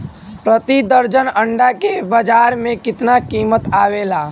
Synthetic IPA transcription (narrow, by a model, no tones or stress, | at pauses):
pɾət̪id̪əɾd͡ʒənəɳɖakebəd͡ʒaːɾmẽkɪt̪nakiːmət̪aːwelaː